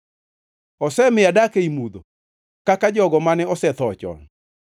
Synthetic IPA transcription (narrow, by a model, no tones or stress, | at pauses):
ɔsɛmɪjadakeimud̪o | kakad͡ʒɔɡɔmanɛɔsɛt̪ɔt͡ʃɔ̰n